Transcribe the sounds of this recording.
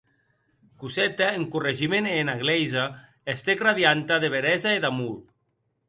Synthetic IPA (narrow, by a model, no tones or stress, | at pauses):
kuzɛt̪aeŋkureʒimenenaɣlejza | est̪ekraðjant̪aðeβeɾɛzaeðamul